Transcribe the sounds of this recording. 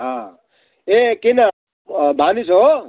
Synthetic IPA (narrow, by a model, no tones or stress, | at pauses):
ɦa | ekinɐ | bʱaniso